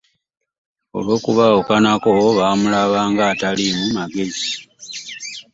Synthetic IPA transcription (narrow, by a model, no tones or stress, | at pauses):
o̞̰lwo̞ːkuβaokanakoβaːmulaβaːŋɡaːtalimumaɡe̞zi